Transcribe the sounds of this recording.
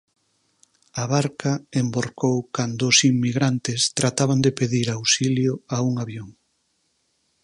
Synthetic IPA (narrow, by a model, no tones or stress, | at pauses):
aβaɾkaemboɾkowkand̪ʊːsimːiɣɾant̪ɪst̪ɾat̪aβand̪epeðiɾawsiljoauŋaβjoŋ